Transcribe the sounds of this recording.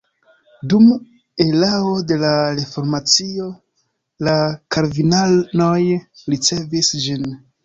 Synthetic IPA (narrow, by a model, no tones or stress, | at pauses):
dum | elao̞de̞laɾefo̞ɾmat͡sio̞ | lakaɾvinalnojɾit͡se̞visd͡ʒin